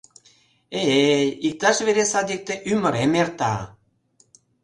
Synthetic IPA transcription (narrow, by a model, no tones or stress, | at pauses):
eeik̚t̪ɑʃβeɾesɑd̪ik̚t̪eʔymə̆ɾemert̪a̰